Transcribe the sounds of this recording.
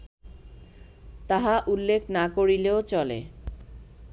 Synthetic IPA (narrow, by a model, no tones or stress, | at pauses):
t̪aɦaʔulːekʰnakoɾileot͡ɕɔlḛ